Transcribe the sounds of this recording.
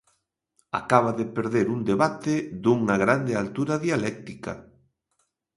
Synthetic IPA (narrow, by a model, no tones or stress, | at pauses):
a̰kaβ̞aðɪpeɾðeɾuŋd̪eβat̪ɪðuŋɐɣɾand̪ɪalt̪uɾɐðialɛk̚t̪ikɐ̰